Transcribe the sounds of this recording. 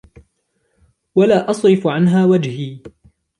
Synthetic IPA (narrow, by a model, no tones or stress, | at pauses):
walaːʔɑsˤɾɪfʕanɦaːwad͡ʒhiː